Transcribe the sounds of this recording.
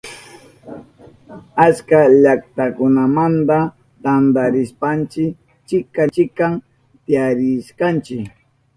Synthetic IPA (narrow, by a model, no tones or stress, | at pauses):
at͡ʃkaʎakt̪akʊnamant̪a | t̪and̪aɾɪspant͡ʃɪk | t͡ʃɪkat͡ʃɪkam | t̪ɪjaɾɪʃkant͡ʃɪk